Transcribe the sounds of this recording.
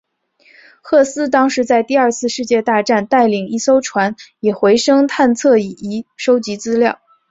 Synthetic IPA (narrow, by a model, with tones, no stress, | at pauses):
xɤ˥˩sɹ̩˥t̪ɑ˥ŋʂɻ̩˧˥t͡sa˥˧ɪt̪i˥˧ɐ˞˥˧t͡sʰɹ̩˥˧ʂɻ̩˥˧t͡ɕjɛ˥˧t̪a˥˧ʈ͡ʂa˥˩˧nt̪a˥˩ɪli˨˩ŋi˥so˥ʊʈ͡ʂʰwa˧˥njɛ˨˩xwe˧˥ɪʂɤ˥ŋt̪ʰa˥˧nt͡sʰɤ˥˩i˨˩i˧˥ʂo˥ʊt͡ɕi˧˥t͡sɹ̩˥ljɑ˥˩ʊ